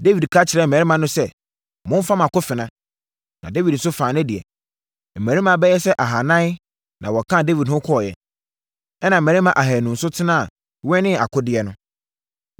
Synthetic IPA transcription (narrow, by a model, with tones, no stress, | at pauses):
de˦wi˨dkʰa˦t͡ɕʰɪ˨ɾɛ˦m̩ː˨æ˨ɾi˦mã˨nʊ̃˦sɛ˦ | mʊ̃˦n˦fa˦mã˨kʊ˦fɪ˨nã˦ | nã˨de˦vi˨dn̩˨s̬ʊ˦fãː˨nɪ̃˦dɪ˨ɛ̰˨ | m̩˨mæ̃˨ɾi˦mã˨bɛ˦jɛ˦sɛ˦ʔa˨ɦa˨nã˦ | nã˨wɔ˨kʰã˦˨de˦vi˨dhʊ̃˦kʰɔ˦ɔ˨jɛ̰˨ | ɛ˦nã˨m̩˨ɛ̃˨ɾi˦mã˨ʔa˨ɦɛ˨nũ˨n̩˨sʊ˦tʰɪ˦nã˦˨ | wɛ̃˦nɪ̃˦a˨kʰʊ˦dɪ˦ɛ˨nʊ̃˦